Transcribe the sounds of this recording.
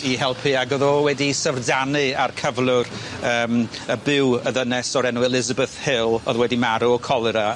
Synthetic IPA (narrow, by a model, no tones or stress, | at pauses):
iɦɛlˠpʰiaɡɔðɔwɛdisəvrdanɨarkʰəvlˠʊrəːməbɪwəðənɛsɔɾɛnwɛlˠɪzabəθhɪlˠɔðwɛdimaɾuɔkʰɔlˠɨɾa